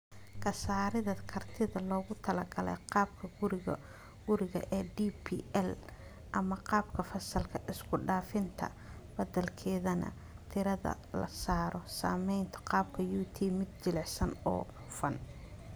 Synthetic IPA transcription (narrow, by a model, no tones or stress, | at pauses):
kʰɐsaːɾɪðɐkʰɐrt̪ʰɪðɐlɔːɣʊt̪ʰɐlɐɡɐlɛ̰ɑːb̚kʰɐɡʊɾɪ | ɡ̥ʊɾɪɣɐ̰ʔɛdiːpʰiɛl | ʔɐmɐqɑːbkʰɐfɐsɐlkʰɐʔɪskʰʊɖaːfɪnt̪ʰɐ̰ | bɐd̪ɐlkʰɛːðɐnɐ̰ | t̪ʰɪɾɐðɐ̰ | lɐ̰saːɾɔsa̰ːmɛjnt̪ʰɔ̥qɑːb̚kʰɐjuːt̪ʰiːmɪd̪̚t͡ʃɪlɪħsɐnɔ̰ː | fɐ̰n